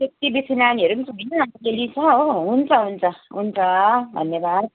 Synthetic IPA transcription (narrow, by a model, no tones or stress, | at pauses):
sek̚t̪ibit͡sʰinaniɦʌɾubit͡sʰbʱʌjnʌaŋtekelit͡sʰʌoɦunt͡sʰʌɦunt͡sʰʌɦunt͡sʰʌbʱʌ̰nːjebad̪̚